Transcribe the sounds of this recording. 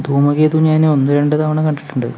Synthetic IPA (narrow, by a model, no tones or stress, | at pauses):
d̪ʱuːmɐɣeːt̪uːɲaːneonːɨɾeɳɖɨt̪ɐʋɐɳɐŋkɐɳɖiʈːuɳɖɨ